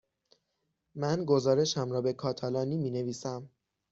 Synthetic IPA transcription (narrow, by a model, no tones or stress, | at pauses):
mænɡo̞zɒːɾe̞ʃæmɾɒːbe̞kʰɒːt̪ʰælɒːniːmiːne̞viːsæm